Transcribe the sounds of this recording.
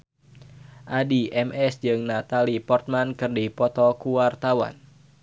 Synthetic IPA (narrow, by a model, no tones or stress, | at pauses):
ʔadiʔɛmʔɛsd͡ʒɨŋnat̪alipɔrt̪̚mankɨrdipɔt̪ɔkuwart̪awa̰n